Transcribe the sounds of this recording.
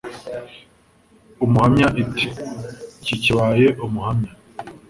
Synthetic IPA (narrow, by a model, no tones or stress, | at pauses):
umuhamɲaʔiti̥ciciβajeʔumuhamɲa